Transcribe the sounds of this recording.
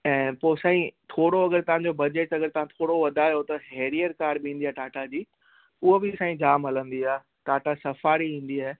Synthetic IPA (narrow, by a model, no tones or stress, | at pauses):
ɛ̃ːpoːsãːĩt̪ʰoːɽoɐɡəɾt̪ɐʋ̤ãɲd͡ʑobɐd͡ʑeʈɐɡəɾt̪ɐʋ̤ãt̪ʰoːɽoʋɐd̪ʱajot̪ɐɦeːɾijəɾkaːɾbĩːn̆d̪iaːʈaːʈʰad͡ʑiː | ʊɦobɪsaːĩd͡ʑaːmɦɐlə̃nd̪iaː | ʈaːʈʰasɐfaːɾiĩːn̆d̪iaːɦe